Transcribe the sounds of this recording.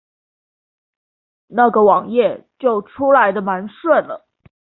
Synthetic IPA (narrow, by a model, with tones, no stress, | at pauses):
na˥˩ɡə˩wɑ˨˩ŋjɛ˥˩t͡ɕjo˥˩ʊʈ͡ʂʰu˥la˧˥ɪd̪ə˧ma˧˥nʂwə˥˩nlə̰˩